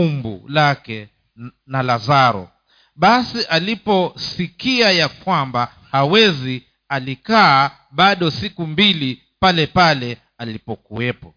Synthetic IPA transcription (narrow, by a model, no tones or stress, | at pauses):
umbṵlakɛ | nalazaɾɔ̰ | ɓasiʔalipɔsikiajakwamba | hawɛzi | alikaː | ɓaɗɔsikumbili | palɛpalɛ | alipɔkuɛpɔ